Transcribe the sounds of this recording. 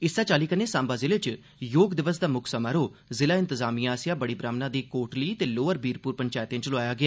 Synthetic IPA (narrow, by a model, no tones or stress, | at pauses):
ɪsaːt͡ʃaːliːkəneːsãːmbaːzɪleːt͡ʃ | joːɡd̪ɪʋəsd̪aːmʊksəmaɾoːzɪlaːɪ̃nt̪əzaːmiːãːsɪjãːbəɽiːbɾaːmnaːd̪iːkoːʈliːt̪eːloːəɾbiːɾpuːɾpəɲt͡ʃaːjt̪ẽːt͡ʃəloaːjaːɡɪaː